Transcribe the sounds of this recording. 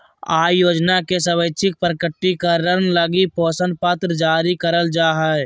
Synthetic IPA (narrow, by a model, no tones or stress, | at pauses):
aːjoːd͡ʒnakesəβəɪt͡ʃʰɪk̚pɾəkəʈːikəɾənləɡipɔːsə̃nd̪̚pət̪ɾd͡ʒaːɾikəɾəld͡ʒaːɦɛ